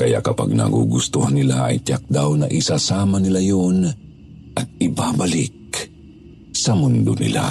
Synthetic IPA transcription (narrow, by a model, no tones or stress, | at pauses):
kaja̰ʔkapa̰ɡ̚na̰ɡṵɡust̪uhanːilaa̰jt̪jak̚d̪awnaʔisasamanilajon | ʔaɡ̚ibaːbalɪk̚ | samʊnd̪ʊnḭla̰